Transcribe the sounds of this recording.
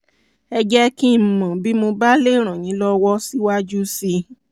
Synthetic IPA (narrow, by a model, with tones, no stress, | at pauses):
ɛ˧d͡ʒɛ˦ki˦m̩˨mã˨bi˦mo˧ba˦le˦˨ɾ̃ã˨j̃ĩ˨˦lɔ˦wɔ˦si˦wa˦d͡ʒu˦si˧